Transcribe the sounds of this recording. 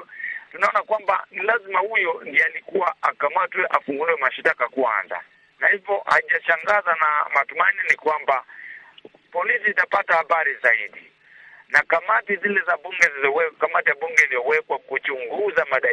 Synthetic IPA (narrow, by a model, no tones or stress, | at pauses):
tunaɔnakwamba̰nilazimahujɔndialikuwaakamatwɛʔafuŋɡuliwɛmaʃitakakua̰nza̰ | nahivɔha̰ʄaʃaŋɡazanamatumaninikwamba | pɔlisiːtapatahaɓaɾizaiɗi | nakamatizilɛzaɓuŋɡɛzizɔwɛkamatijaɓuŋɡɛilijɔwɛkwakut͡ʃuŋɡuzamaɗa